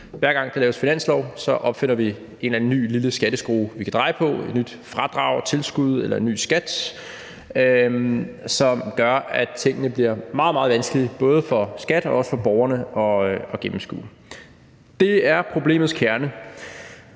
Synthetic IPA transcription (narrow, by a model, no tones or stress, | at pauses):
ʋæɐɡ̥ɑ̈ŋd̥elɛːʊəsfinæn̰slɒʊ̰sɒ̽ʔɒ̽b̥fe̝n̰ɐʋi | e̝nlænənːy̰ːliləsɡ̥æɾ̥əsɡ̥ʁuːʋikʰæd̥ʁɑ̈ɪpʰɒ̽e̝d̥nyd̥fʁɑ̈d̥ʁɑ̈ʊ̰t͡sʰe̝lsɡ̥uð̞ˠelɐe̝nːy̰ːsɡ̥æd̥ | ø | sɒ̽mɡ̥ɶɐæt͡sʰe̝ŋ̰ənəb̥liɐmɑ̈ːð̩ˠmɑ̈ð̩ˠʋænsɡ̥əlib̥ɔ̽ːð̞ˠfɒ̽sɡ̥æd̥ɒɒ̽sə̥fɒ̽b̥ɒʊɐnəʔɒ̽ɒ̽ɡ̥em̩sɡ̥ṵː | d̥e̝æɐpʰʁo̝b̥le̝̰ːmð̩ˠskʰæɐnə